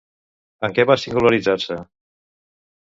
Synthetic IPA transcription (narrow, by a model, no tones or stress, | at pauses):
əŋkɛβasiŋɡuləɾid͡zaɾsə